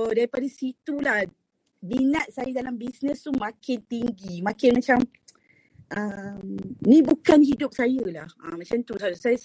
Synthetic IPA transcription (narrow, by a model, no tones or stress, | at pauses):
odaɾipadasit̪ulah | minat̪̚sajadalambisnə̃st̪umãkɪnt̪iŋɡimãkɪnmãt͡ʃam | ʔəmnĩbukanɦidʊp̚sajəlahəmãt͡ʃamt̪usasaja